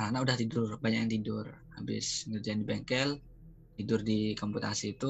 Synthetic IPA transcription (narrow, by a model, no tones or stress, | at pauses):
anaudaht̪idʊrbaɲak̚jant̪idʊrhabɪ̰sŋərd͡ʒaandibɛŋkɛl | t̪idʊrdikɔmput̪asiːt̪u